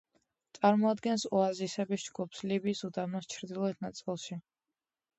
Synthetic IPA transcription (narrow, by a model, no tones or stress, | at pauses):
t̪sʼaɾmɔad̪ɡɛnsɔazisɛbisd͡ʒɡupslibiːsud̪anɔst͡ʃʰɾd̪ilˠɔɛt̪̚ʰnat̪sʼilˠʃi